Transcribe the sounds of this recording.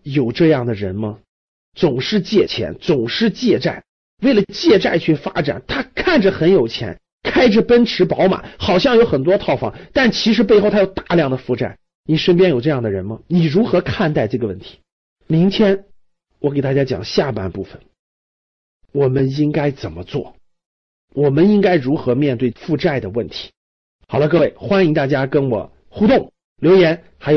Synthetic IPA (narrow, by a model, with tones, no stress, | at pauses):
jo˨˩ʊʈ͡ʂɤ˥˧jɑ˥˩ŋd̪ə˩ɻə˧˥nmɐ˧ | t͡sʊ˨˩ŋʂɻ̩˥˧t͡ɕjɛ˥˩t͡ɕʰjɛ̰˧˥nt͡sʊ˨˩ŋʂɻ̩˥˧t͡ɕjɛ˥˧ʈ͡ʂa̰˥˩ɪ | we˥˩ɪlə˩t͡ɕjɛ˥˧ʈ͡ʂa˥˧ɪt͡ɕʰy˥˩fa̰˥ʈ͡ʂa̰˨˩˦nt̪ʰa˥kʰa˥˩nʈ͡ʂə˩xə˧˥njo˨˩ʊt͡ɕʰjɛ̰˧˥n | kʰa˥ɪʈ͡ʂə˨˩pə˥nʈ͡ʂʰɻ̩˧˥pɑ˧˥ʊma̰˨˩˦xɑ˨˩ʊɕ̬jɑ˥˩ŋjo˧˥ʊxə˨˩nt̪wɔ˥t̪ʰɑ˥˧ʊfɑ̰˧˩ŋt̪a˥˩nt͡ɕʰi˧˥ʂɻ̩˧˥p̬e˥˧ɪxo˥˩ʊt̪ʰa˥jo˨˩ʊt̪a˥˩˧ljɑ˥˩ŋd̪ə˩fu˧˥ʈ͡ʂa̰˨˩˦n | ni˨˩ʂə˥np̬ʲjɛ˥njo˨˩ʊʈ͡ʂɤ˥˧jɑ˥˩ŋd̪ə˩ɻə˧˥nmɐ˧ni˨˩ɻu˧˥xɤ˧˥kʰa˥˧nt̪a˥˧ɪʈ͡ʂɤ˥˩ɡə˩wə˥˩nt̪ʰi̥˧˥ | mi˧˥ŋt͡ɕ̪ʰjɛ˥n | wɔ˧˥ke˨˩ɪt̪a˥˩t͡ɕja˥t͡ɕjɑ̰˨˩ŋɕja˥˩pa̰˥npu˥˩fə˩n | wɔ˨˩mə˦ni˥ŋka˥ɪt͡sə˨˩nmə˦t͡swɔ̰˥˩ | wɔ˨˩mə˦ni˥ŋka˥ɪɻu˧˥xɤ˧˥mjɛ˥˧nt̪we˥˩ɪfu˥˧ʈ͡ʂa˥˩ɪd̪ə˩wə˥˩nt̪ʰi̥˧˥ | xɑ˨˩ʊlə˦kɤ˥˧we˥˩ɪxwa˥ni˧˥ŋt̪a˥˩t͡ɕja˥kə˥nwɔ̰˨˩ | xu˥t̪ʊ˥˩ŋ | ljo˧˥ʊjɛ˧˥n | xa˧˥ɪjo˩